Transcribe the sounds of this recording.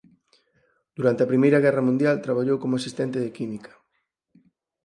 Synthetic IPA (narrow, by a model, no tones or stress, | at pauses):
d̪̥uɾant̪eɐpɾimejɾɐɣɛrɐmũnd̪jalt̪ɾaβ̞aʎowkomʊasist̪ɛnt̪eðɪkimikɐ̥